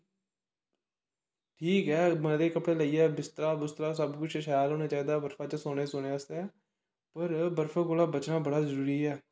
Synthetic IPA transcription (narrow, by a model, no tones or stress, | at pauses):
ʈʰiːkɛːmənd̪eːkəpɽeːləiːɛːbɪst̪əɾaːbɪst̪ɾaːs̬əbkʊt͡ʃʰʃjaːlɦoːneːt͡ʃaːiːd̪aːbəɾfʰaːt͡ʃəsoːɽeːsoːɽeːəst̪eɛː | pəɾbəɾfʰaːkoːlaːbət͡ʃnãːbəɽaːzəɾuːɾiːɛː